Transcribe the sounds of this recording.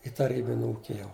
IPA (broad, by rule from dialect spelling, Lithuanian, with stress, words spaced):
ɪ tɐˈrʲiːbʲɪnʲ ˈuːkʲɪ jɛʊ